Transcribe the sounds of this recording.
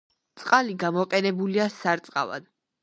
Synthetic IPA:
t̪sʼqʼaliɡamɔqʼɛnɛbuliasaɾt̪sʼqʼa̰va̰d̪̥

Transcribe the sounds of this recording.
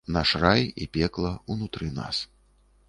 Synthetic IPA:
naʂrajḭpʲɛklˠɐunut̪ɾɨna̰s

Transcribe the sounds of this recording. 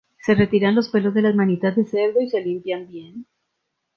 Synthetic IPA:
se̞re̞t̪iɾanlo̞spe̞lo̞zðe̞lamanit̪at̪̚ðeseɾðo̞ise̞limpjambje̞n

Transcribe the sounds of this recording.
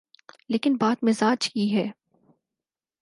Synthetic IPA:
leːkɪnbaːt̪mɪzaːd͡ʒkiɦɛː

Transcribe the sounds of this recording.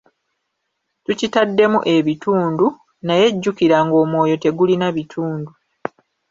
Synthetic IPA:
tucitadːe̞muʔe̞βituːndu | naje̞ɟːukiɾaŋɡo̞ːmwo̞ːjo̞te̞ɡulinaβitʰuːndu

